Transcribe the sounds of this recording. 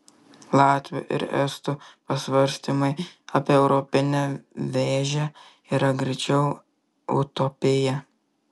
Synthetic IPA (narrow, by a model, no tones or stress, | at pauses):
lˠɑːt̪ʲʋʲo̰ʔɪ̰ɾɛ̰st̪upɐsʋɐɾʲsʲt̪ʲimɐɪɐpʲiːɛʊɾɔpʲɪnʲɛʋʲeːʒʲɛ | iːɾɐɡɾʲɛt͡ʃʲɛʊ | ʊ̰t̪opʲɪjɛ